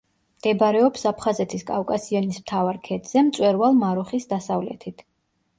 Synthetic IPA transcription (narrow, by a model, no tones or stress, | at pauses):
md̪̥ɛbaɾɛɔpsapʰχazɛt̪ʰiskʼafkʼasiɔnismt̪ʰavaɾkʰɛt̪z̥ɛmt̪sʼwɛɾvalˠmaɾuχisd̪asavlɛ̰t̪ʰit̪ʰ